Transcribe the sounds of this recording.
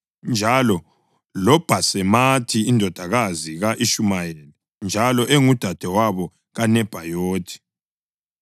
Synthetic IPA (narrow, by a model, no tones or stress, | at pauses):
nd͡ʒʱalɔ | lɔb̥ʱasɛmatʰiːndʱɔd̥ʱaɣaziɣaʔiʃumajɛlɛ | nd͡ʒʱalɔʔeŋud̥ʱad̥ʱɛwaβɔ | ɣanɛb̥ʱajoːtʰi̥